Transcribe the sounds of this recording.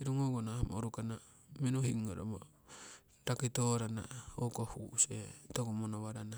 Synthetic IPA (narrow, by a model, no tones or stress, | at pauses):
iɾuŋoɡonaamo̰ɾukana | menuhiŋːoɾa̰mo̰ | ɾakit̪oɾana̰okohuset̪oɡomonoβaɾana